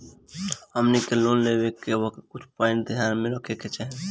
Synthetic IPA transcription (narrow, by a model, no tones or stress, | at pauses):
ɦəmnikelonlebekeʋəkekʊt͡ʃʰpaɪ̃ɳʈd̪ijaɾmẽɾəkʰeket͡ʃaɦe